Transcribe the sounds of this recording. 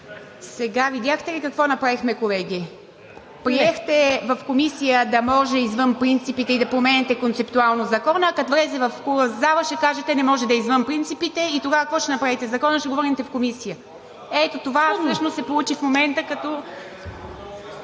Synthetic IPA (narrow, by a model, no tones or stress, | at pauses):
sɛɡavid̪jaxt̪ɛlikɐkvɔnɐpɾavixmɛkolɛɡʲi | pɾiɛxt̪ɛvɐfkomisijəd̪ɐmɔʒɛizvənpɾint̪sipit̪ɛid̪ɐpɾomɛnɛt̪ɛkont̪sɛpt̪ualˠnozɐkɔnəkɐt̪vɾɛsɛvɐfkuzavəʃɛkaʒɛt̪ɛnɛmɔʒɛd̪ɐizvənpɾint̪sipit̪ɛit̪oɡaəkːkvɔʃɛnɐpɾavit̪ɛzɐkɔnəʃɛɡovɔɾint̪ɛfkomisijə | ɛt̪ot̪ovasət͡ʃnosɛpolˠut͡ʃifmomɛnt̪əkɐt̪ɔ